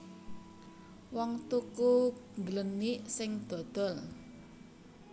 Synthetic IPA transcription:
wɔŋt̪ukuŋɡələnːiʔsɪŋd̪̥ɔ̤d̪̥ɔ̤l

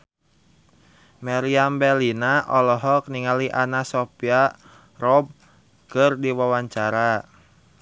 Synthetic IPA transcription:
maɾiambɛlinaʔɔlɔɦɔk̚niŋaliʔanasɔpia | rɔb̚ | kɨrdiwawaɲt͡ʃaɾa

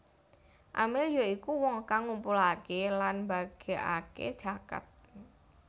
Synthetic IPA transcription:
ʔamɪljoikuwɔŋkaŋumpulakelanbaɡ̥e̤ʔa̰kḛd̥ʒ̥a̤ka̰t̪̚

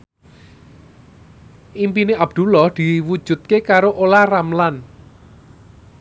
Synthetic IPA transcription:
ʔimpineʔab̥̚d̪̥ṳlɔhd̪̥i̤wud̥ʒ̥ṳt̪̚kekaɾoʔolahramlan

